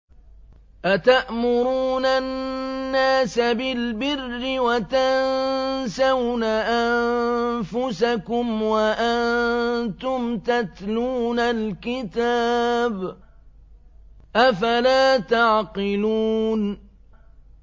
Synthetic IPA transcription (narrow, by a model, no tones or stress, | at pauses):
ʔat̪aʔmʊɾuːnanːaːsabɪlbɪrːɪwat̪ansawnaʔanfʊsakʊmwaʔannt̪ʊmt̪at̪luːnalkɪt̪aːb | ʔafalaːt̪aʕqɪluːn